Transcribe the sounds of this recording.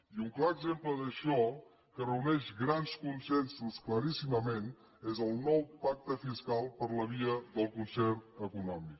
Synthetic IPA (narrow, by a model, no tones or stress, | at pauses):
iuŋklaəɡzempləðəʃɔ | kərəunɛʃɣɾanskunsɛnsuskləɾisiməmen | ezəlˠnɔwpak̚t̪əfiskalˠpəɾləβiəðəlˠkunsɛrəkunɔmik